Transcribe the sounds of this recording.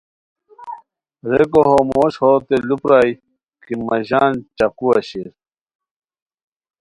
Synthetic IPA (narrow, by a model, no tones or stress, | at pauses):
ɾekoɦomoːɕhot̪elupɾaːi | kimɐʑaːnt͡ɕɐkuɐɕiɾ